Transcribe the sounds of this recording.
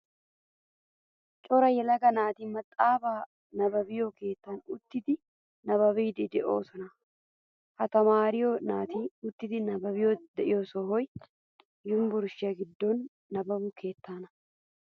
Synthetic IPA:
t͡ʃʼɔɾɐjɛlɐɡɐnaːt̪iːmɐt̪ʼːaːbaː | nɐbɐbɪjoːke̞ːt̪ːaːnʊt̪ːɪt̪ɪ | nɐβɐβiːd̪ɪd̪ɛʔo̰ːsɔnɐ | hɐt̪ɐmaːɾɪjoːnaːt̪iːʊt̪ːɪt̪ɪnɐbɐbɪjoːd̪ɛjoːsoɦɔj | jʊmbʊɾʃɪɐɡɪd̪ːoːnː | ɐbɐbʊkʰe̞ːt̪ːaːnɐ̥

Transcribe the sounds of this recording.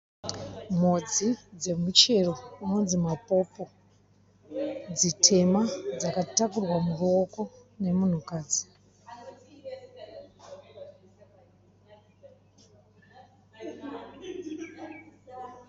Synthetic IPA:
m̤od͡zid͡ze̞mut͡ʃe̞ro̞uno̞nzimapo̞po̞ | d͡zitʰe̞mad͡zakatakurwamuruo̞ko̞ | ne̞mun̤ukaːd͡zi̥

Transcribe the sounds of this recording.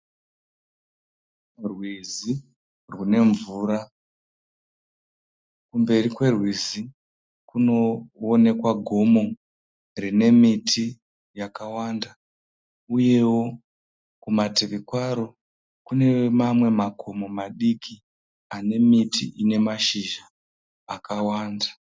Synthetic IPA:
rwizi | rwune̞ɱvuːɾa | kumbe̞rikwe̞rwizi | kuno̞ːne̞kwaɡʱo̞mo̞ | rine̞mitʰi | jakawanda | uje̞wo̞ | kumateʋikwaɾo | kune̞mamwe̞makʰo̞mo̞maɗikʰi | ane̞mitḭʔine̞maʃiʒaː | kawaːnda

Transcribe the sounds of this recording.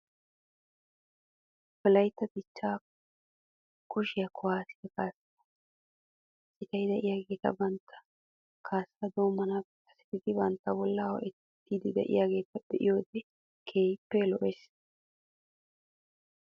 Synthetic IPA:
bɔlɐjt̪ːɐt̪ɪt͡ʃːaː | kʊʃɪjɐkʰɔwaːsɪd̪ɐkaːsːɐ̥t̪ɐ̥ | sɪt̪ɐjd̪ɛʔɪjaːɡe̞ːt̪ɐ̰bɐnt̪ʰːɐ̥ | kʰaːsːɐd̪oːmːɐnakːɐsɪ̥d̪ɪd̪ɪbɐnt̪ːɐbɔlːɐwɔ̰ʔɛ | t̪ːiːd̪ɪd̪ɛ̰ʔɪ̰jaːɡe̞ːt̪ɐd̪ɛʔɪ̰jo̞ːd̪ɛ | kʰeːjpːɛlɔʔɛs

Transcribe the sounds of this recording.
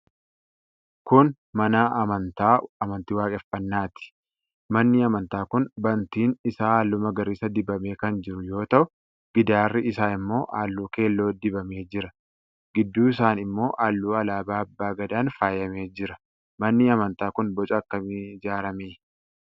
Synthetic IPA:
kʊn | mɐnaɐmɐnt̪aːɐmɐnt̪ɪwaːkʼɛfɐnːaːt̪ɪ̥ | mɐnːɪɐmɐnt̪aːkʊnbɐnt̪iːnɪsaːaːlːʊmɐɡɐɾɪsɐd̪ɪbɐme̞ːkɐnd͡ʒɪɾʊjo̞ːt̪ɐʔʊ | ɡ̥ɪd̪aːrːɪɪsaːɪmːo̞ːʔaːlːuːke̞ːlːo̞ːd̪ɪbɐme̞ːd͡ʒɪɾɐ | ɡɪd̪ːuːɪsaːnɪmːo̞ːʔaːlːuːɐlaːbaːɐbːaːɡɐd̪aːnfaːjɐme̞ːd͡ʒɪɾɐ | mɐnːɪɐmɐnt̪aːkʊnbɔt͡ʃʼɐɐkːɐmɪd͡ʒaːɾɐmeː

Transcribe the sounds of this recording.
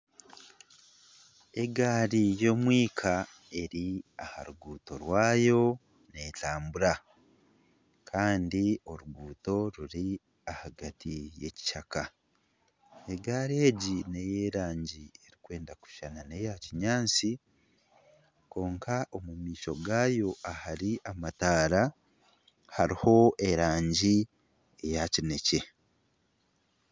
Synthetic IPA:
e̞ɡaːɾijo̞mwiːkʰa | e̞ɾiaha̰ɾuɡuːto̞ɾwaːjo̞ | ne̞taːmbuɾa | kʰaːndio̞ɾuɡuːto̞ɾuɾi | ahaɡatʰije̞̰ci̥ʃaka | e̞ɡaːɾie̞ɟine̞jeɾaːɲɟie̞ɾikwe̞ːndaku̥ʃanane̞jaciɲaːnt͡si | ko̞ːŋkʰaʔo̞mumiːʃo̞ɡaːjo̞ahaɾiʔamataːɾa | haɾiho̞ʔe̞ɾaːɲɟi | ejacine̞ce̞

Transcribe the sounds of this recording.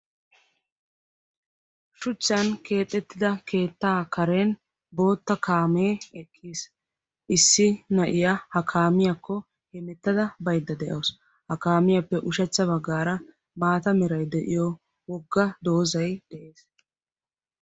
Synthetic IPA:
ʃʊt͡ʃːɐnke̞ːt̪ʼːɛt̪ːɪd̪ɐke̞ːt̪ːaːkɐɾeːn | bo̞ːt̪ːɐkʰaːmeːɛkʰːiːs | ʔɪsːɪnɐʔɪjahɐkʰaːmɪjɐkːɔ | hɛmɛt̪ːɐd̪ɐbɐjd̪ːɐd̪ɛʔɐws | hɐkaːmɪjɐpːɛʔʊʃɛt͡sːɐβɐɡːaːɾɐ | maːt̪ɐmɪɾɐjd̪ɛʔɪjɔ | wɔɡːɐd̪o̞ːzɐjd̪̥ɛʔe̞ːs

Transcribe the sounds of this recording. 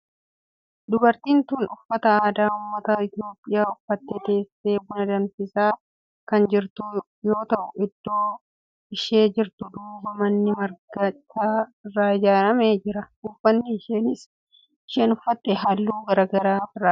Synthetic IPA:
d̪ʊbɐɾt̪iːnt̪uːnʊfːɐt̪ɐaːd̪aːʊmːɐt̪ɐɪt̪jo̞ːpʼːɪjaːʊfːɐt̪ːet̪e̞ːseːbʊnɐd̪ɐnfɪsaː | kɐnd͡ʒɪɾt̪ʊ | jo̞ːt̪ɐʔʊɪd̪̥ːoː | ɪʃe̞ːd͡ʒɪɾt̪ʊd̪uːbɐmɐnːɪmɐɾɡɐt͡ʃːaːrːaːɪd͡ʒaːɾɐmeːd͡ʒɪɾɐ | ʊfːɐnːɪɪʃeːnɪs | ɪʃeːnʊfːɐt̪ːɛɦɐlːuːɡɐɾɐɡɐɾaːfɪrːaː

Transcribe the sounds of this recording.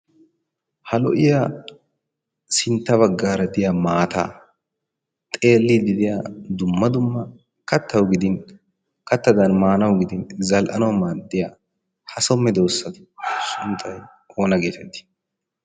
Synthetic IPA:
hɐlɔ̰ʔɪjaː | sɪnt̪ːɐβɐɡːaːɾɐd̪ɪjamaːt̪ʰa̰ː | t̪ʼe̞ːlːid̪ɪd̪ɪjaːd̪ʊmːɐd̪ʊmːɐ | kɐt̪ʰːɐwɡɪd̪ɪn | kʰɐt̪ːɐd̪ɐnmaːnɐwɡɪd̪ɪnzɐlʔɐ̰nɐwmːad̪ɪjaː | hɐsɔmːɛd̪o̞ːsːɐd̪ʊ̥sʊnt̪ʰʼːɐj | o̞ːnɐɡe̞ːt̪ɛd̪ːɪ̥

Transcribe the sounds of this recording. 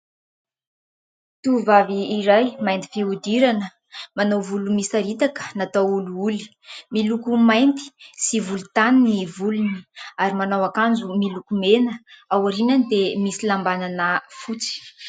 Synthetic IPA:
t̪uvaviːɾajmajnt̪i̥fiud̪iɾanə | manawvulumisaɾit̪akə̥nat̪awuluuli̥ | milukumajnt̪i̥sivulut̪aninivuluni̥aɾimanawakand͡zumilukumenəawaɾinanid̪emisilambananafut͡si̥

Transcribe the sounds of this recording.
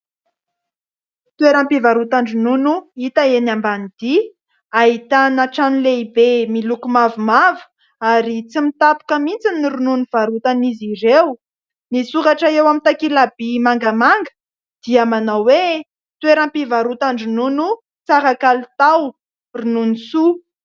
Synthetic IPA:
t̪uweɾampivaɾut̪aɳɖ͡ʐinunuit̪aenambanid̪̥i | aɦit̪anaʈ͡ʂanileibemilukumavumavu̥ | aɾit͡simit̪apu̥kəmint͡sinːiɾununiv̥aɾut̪aniziɾew | nisuɾaʈ͡ʂaewamit̪akilab̥imaŋɡamaŋɡə̥ | d̪̥iamanawwe | t̪weɾampivaɾut̪aɳɖ͡ʐinunu | t͡saɾakalt̪aw | rununisu

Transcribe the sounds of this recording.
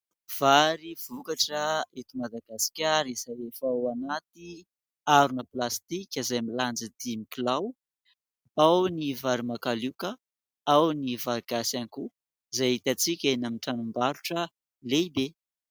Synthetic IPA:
v̥aɾiv̥ukaʈ͡ʂəet̪imad̪aɡasi̥kʲaɾizaefawanat̪i | aɾunəplast̪ikʲəzajmiland͡zəd̪̥imikilaw | awnivaɾimakalukə | awnivaɡasaŋku | zajit̪at͡sikʲenamiʈ͡ʂanumbaɾuʈ͡ʂə | leibe

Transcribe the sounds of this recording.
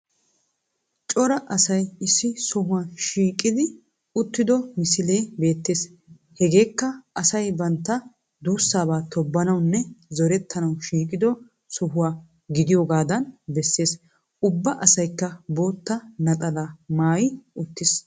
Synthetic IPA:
t͡ʃʼɔɾɐʔɐsɐjɪsːɪsɔɦʊwaːʃiːkʼːɪd̪ɪ | ʊt̪ːɪd̪ɔmɪsɪle̞ːbe̞ːt̪ːe̞ːs | hɛɡe̞ːkːɐʔɐsɐjbɐnt̪ːɐ | d̪uːsːaːbaːt̪ʰɔbːɐnɐwnːɛzɔɾɛt̪ːɐnɐwʃiːkʼɪd̪ɔ | sɔɦʊwaː | ɡɪd̪ɪjoːɡaːd̪ɐnbɛsːe̞ːs | ʊbːɐʔɐsɐjkːɐbo̞ːt̪ːɐnɐt̪ʼɐlamaːjɪʊt̪ːɪs

